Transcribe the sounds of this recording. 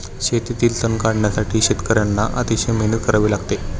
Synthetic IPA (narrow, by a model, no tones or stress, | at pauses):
ɕet̪it̪iːlt̪ənkaɽɳjasaʈʰiːɕet̪kəɾjanːaʔə̰t̪iɕemenət̪kəɾaʋiːlaɡt̪e